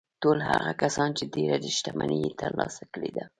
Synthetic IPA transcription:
tolhaɣakasɑnt͡ʃedeɾad̪əʃt̪amanijet̪ʰəɾlɑsakəɽed̪a

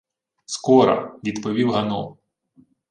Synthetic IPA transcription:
skɔɾɐ̰ʋʲid̪pɔʋʲiwɦɐnɔ̰

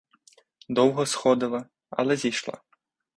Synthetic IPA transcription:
d̪ɔwɣɐsxɔd̪ɐlˠɐ | ɐ̰lʲɛzʲijʂlˠa̰

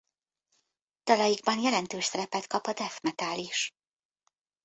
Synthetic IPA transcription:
d̪̥ɒlɒjiɡ̚bɒnjɛlɛnt̪øːʃsɛɾɛpɛt̪kɒpɒd̪ɛfmɛt̪aːliʃ

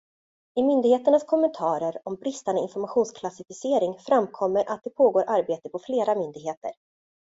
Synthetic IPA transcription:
ɪmʏnd̪ɪɡheːt̪əɳaskʰɔmːɛnt̪ʰɑːɾəɾɔmbɾɪst̪and̪əɪnfɔɾmaɧuːnskʰlasɪfɪseːɾɪŋfɾamkʰɔmːəɾʔat̪̚d̪ɛpʰoːɡoːɾʔaɾbeːt̪əpɔfleːɾamʏnd̪ɪɡɦeːt̪ə̰ɾ

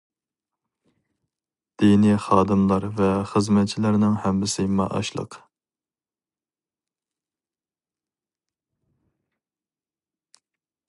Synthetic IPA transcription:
d̪̥iniχɑːd̪ɨmlˠɑɾvɛχəzmɛt̪̚t͡ʃʰilæɾnɪŋhɛmbɪsɪmɑ̰ʔɑ̰ʃlˠə̰q

